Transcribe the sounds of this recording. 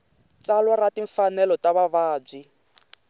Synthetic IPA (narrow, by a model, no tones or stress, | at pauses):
t͡salɔɾatiɱfanɛlɔtaβaβaːb͡ʐi